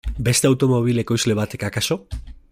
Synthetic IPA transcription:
be̞st̪e̞awt̪o̞mo̞β̞ile̞ko̞jzle̞β̞at̪e̞kakaso̞

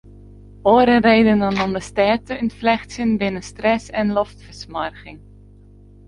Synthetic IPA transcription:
oːɾərejdəndɑnɔmdəstɛːtəʏntflɛχsjənbɪnənstrɛsɛnlɔftfərsmɑrɣɪŋ

